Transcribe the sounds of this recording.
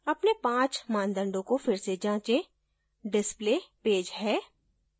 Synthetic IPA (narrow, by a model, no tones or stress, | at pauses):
ɐpnepãːt͡ʃmãːnd̪ə̃ɳɖõkofɪɾsed͡ʒãːt͡ʃẽ | ɖɪspleːpeːd͡ʒɦɛː